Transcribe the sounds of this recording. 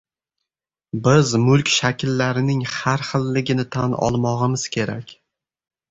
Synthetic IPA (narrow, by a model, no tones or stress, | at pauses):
bɪzmʊlˠkʲʃakʲlːaɾɪnɪŋhaɾχɨlːɪɡʲɪnɪt̪ʰanɒ̰lˠmɒʁɨmɪz̥kʲʰe̞ɾakʲ